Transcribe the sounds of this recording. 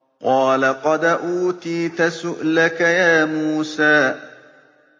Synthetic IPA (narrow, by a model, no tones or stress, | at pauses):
qɑːlaqɑd̪ʔuːt̪iːt̪asʊʔlakajaːmuːsaː